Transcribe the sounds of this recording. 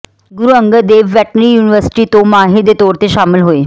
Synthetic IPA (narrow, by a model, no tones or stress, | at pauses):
ɡʊɾuə̃ŋɡəd̪eːʋʋɛʈɾijuːniʋəɾsɪ̥ʈit̪omaːɦid̪et̪ɔːɾt̪eʃaːmɪlɦoeː